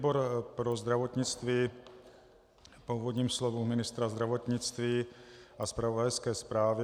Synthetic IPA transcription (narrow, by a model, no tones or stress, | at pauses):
boɾpɾozd̪ɾavo̞t̪ɲɪt͡st̪viː | pouvodɲiːmslovumɪnɪst̪ɾazd̪ɾavot̪ɲɪt͡st̪viːʔaspɾavodajskɛːspɾaːvɪ